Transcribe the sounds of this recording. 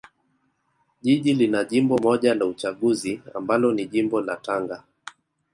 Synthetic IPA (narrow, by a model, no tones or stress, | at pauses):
ʄiʄilinaʄimbɔmɔʄalaut͡ʃaɠuzia̰mbalɔniʄimbɔla̰taŋɡa